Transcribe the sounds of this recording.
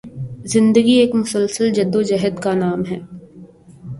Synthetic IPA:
zɪ̃nd̪əɡieːkmʊsəlsəld͡ʒɐd̪ːod͡ʒɛɦəd̪kanaːmɦɛː

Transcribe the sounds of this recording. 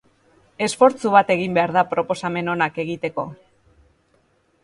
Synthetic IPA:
e̞sfo̞ɾt͡suβat̪e̞ɣimbe̞aɾðapɾo̞po̞same̞no̞nake̞ɣit̪e̞ko̞

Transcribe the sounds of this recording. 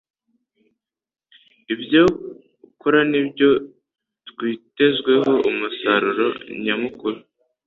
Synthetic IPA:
ibjo | ukoɾanibjo̞ | tkwiːte̞zɡwe̞ɦo̞ʔumusaɾuɾo̞̰ɲamukuɾu

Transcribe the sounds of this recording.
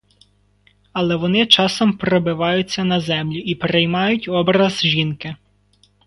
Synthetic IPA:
ɐlˠɛʋɔnɪt͡ʃɑsɔmpɾɔbɪʋɑjʊt͡sʲːɐnɐzɛmlʲʊipeɾɪjmɑjʊtʲɔbɾɐzʒinkɪ

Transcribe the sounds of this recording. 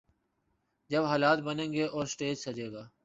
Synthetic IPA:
d͡ʒəbɦaːlaːt̪̚bənẽːŋɡeːʔɔːɾsʈeːd͡ʒsəd͡ʒeːɡaː

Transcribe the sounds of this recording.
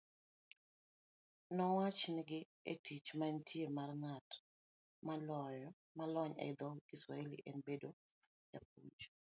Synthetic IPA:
nɔwat͡ʃnɪɡɪ | ḛtʰit͡ʃmantʰjemarŋat | malɔjɔ | malɔɲɛ̰d̪ɔɡiswa̰elḭʔenbedo | jap̚ud͡ʒ

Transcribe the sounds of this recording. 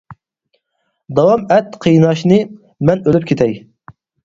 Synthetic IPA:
d̪ɑwɑmɛt̪qʰəjnɑʃnɨ | mɛnølyp̚kʰʲet̪ʰɛj

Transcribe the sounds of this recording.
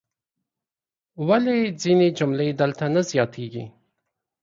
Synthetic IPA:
waled͡zined͡ʒʊmled̪əlt̪anazjɑt̪ʰeɡḭ

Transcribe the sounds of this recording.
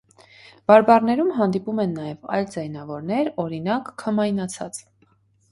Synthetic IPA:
b̥ɑɾbɑrnɛɾumɦɑnd̪ipumɛnːɑjɛvɑ̰jld͡zɛjnɑvɔɾnɛɾɔɾinɑkʰːəmɑjnɑt͡sʰɑ̰t͡s

